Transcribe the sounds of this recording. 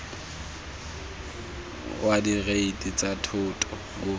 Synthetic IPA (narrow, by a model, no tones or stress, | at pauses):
wadiɣeitʼit͡sʼatʰʊtʼɔ | ŋʊ